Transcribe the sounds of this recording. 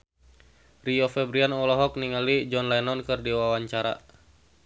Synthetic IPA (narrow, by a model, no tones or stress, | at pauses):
riɔfɛbɾianɔlɔɦɔk̚niŋalid͡ʒɔnlajnɔnkɨrdiwawaɲt͡ʃaɾa̰